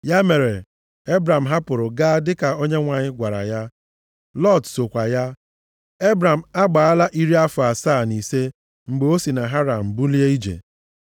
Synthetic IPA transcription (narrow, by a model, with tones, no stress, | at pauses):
ja˦me˨ɾe˨ | e˦bɾa˨m̩˨ɦa˦pʊ˨ɾʊ˨ɡa˦dɪ˦ka˨o˦ɲe˦ŋʷa˨ɲɪ˦ɡʷa˨ɾa̰˨ja˦ | lɔ˦˨tso˨kʷa˨ja˦ | e˦bɾa˨m̩˨a˦ɡ͡ba˨a˦la˦ʔi˦ɾi˦a˦fʊ˨a˨saː˦˨ni˨se˦ | ŋ͡m̩˨ɡ͡be˨o˦si˨na˨ɦa˦ɾa˨m̩˨bu˦li˦e˦i˦d͡ʒḛ˨